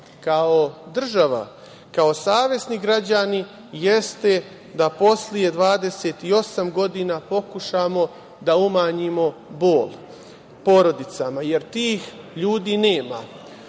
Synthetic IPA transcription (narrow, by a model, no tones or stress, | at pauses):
kao̞d̪r̩ʒaʋa̰ | kao̞saːʋje̞sniɡɾad͡ʑani | je̞st̪e̞ | d̪apo̞slije̞d̪ʋaːd̪e̞set̪io̞samɡo̞d̪inapo̞kuʃamo̞ | d̪aumaːɲimo̞bo̞ːl | po̞ɾo̞d̪it̪samaje̞ɾt̪iːx | ʎuːd̪iːne̞ːma